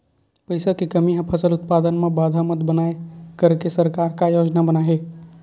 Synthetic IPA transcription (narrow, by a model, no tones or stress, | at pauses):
pəɪsakikəmiɦə̃pʰəsəlʊt̪paːd̪ənmẽbaːd̪ʱamət̪bənaekəɾkesəɾkaɾkajoːd͡ʒnabənaɦe